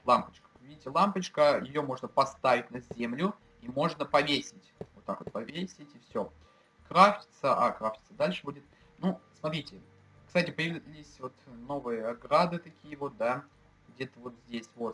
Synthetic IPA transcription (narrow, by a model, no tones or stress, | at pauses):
lˠampət͡ɕkə̥vʲidʲɪtʲɪlˠampət͡ɕkəjɪjo̞mo̞ʐnəpɐst̪avʲɪtʲnɐzʲemlʲʊ | imo̞ʐnəpɐvʲesʲɪtʲvot̪ːakvo̞t̪pɐvʲesʲɪtʲɪfsʲo | kɾaft͡ʃʲɪ̥t̪səʔa̰kɾafʲɪ̥t̪səd̪alʲʂɨbudʲɪt̪̚ | nusmɐt̪ɾʲitʲɪ | kst̪atʲɪpəjɪvʲlʲɪsʲvo̞t̪no̞vɨjəɐɡɾad̪ɨt̪ɐkʲʰijəvo̞t̪̚d̪a | ɡdʲe̞t̪əvo̞t̪zʲdʲesʲvo̞